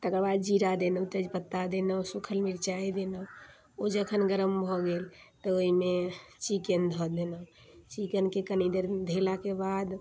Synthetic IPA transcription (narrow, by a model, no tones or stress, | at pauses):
t̪əkəɾbad̪̚d͡ʒiɾad̪enəwt̪əd͡ʒpət̪ːad̪enəusukʰəlmiɾt͡ʃajd̪enəu | od͡ʒəkʰənɡəɾəmbʱɔɡelt̪əoimet͡ʃikənd̪ʱɔd̪enət͡ʃikənkekənid̪əɾd̪ʱelakebad̪